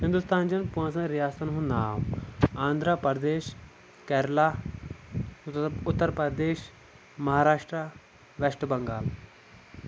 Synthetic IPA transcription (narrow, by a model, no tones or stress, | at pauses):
ɦɪ̃nd̪ust̪aːnd͡ʒɐnpuãːns̬ɐ̃nɾijaːsɐnɦũnaːmãːnd̪ʱɾapɐɾd̪eːʃ | kɛːɾlaː | ʊt̪ːəɾpɐd̪eːʃ | mɐɦaːɾaːʂʈɾa | ʋeʂʈəbɐŋɡaːl